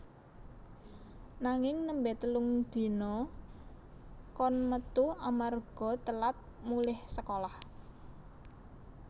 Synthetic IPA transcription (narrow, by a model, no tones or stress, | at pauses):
naŋɪŋnəmbɛt̪əlʊŋd̪̥i̤nɔ | kɔnmət̪uamarɡ̥ɔ̤t̪əlat̪̚ | mulɪhsəkolah